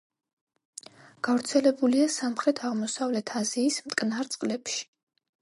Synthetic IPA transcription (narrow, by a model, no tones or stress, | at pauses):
ɡ̥avɾt̪sʰɛlɛbuliasamχɾɛt̪ʰaʁmɔsavlɛt̪ʰaziːsmt̪ʼkʼnaɾt̪sʼqʼlɛpʃi̥